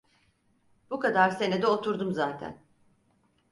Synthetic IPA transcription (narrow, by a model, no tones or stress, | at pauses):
b̥ukad̪aɾse̞ned̪ɛo̞t̪ʰuɾd̪umzaːt̪ʰæ̰n